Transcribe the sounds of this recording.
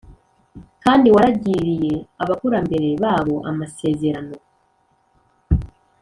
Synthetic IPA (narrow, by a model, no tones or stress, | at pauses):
kaːndiwaɾaɟiɾije̞aβakuɾambe̞ɾe̞βaːβo̞ʔa̰mase̞ːze̞ɾano̞